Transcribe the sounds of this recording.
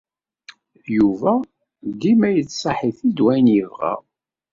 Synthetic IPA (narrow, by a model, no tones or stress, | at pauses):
juvæ | ɡ̪imæjət͡sːsˤɑħiθid̪wæjnjəvʁæ̰